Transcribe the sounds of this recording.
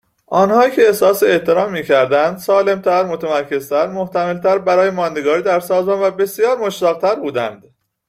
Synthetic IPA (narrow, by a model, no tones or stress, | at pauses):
ʔɒːnhɒːjicʰeːsɒːseeʔt̪ʰe̞ɾɒːmːiːcʰæɾd̪ænd̪sɒːle̞mt̪ʰæɾmot̪ʰæmæɾcʰe̞z̥t̪ʰæɾmo̞ht̪ʰæmelt̪ʰæɾbæɾɒːjemɒːnd̪e̞ɡɒːɾiːd̪æɾsɒːzmɒːnvæbe̞sijɒːɾmo̞ʃt̪æːɣ̚t̪ʰæɾbuːd̪ænd̪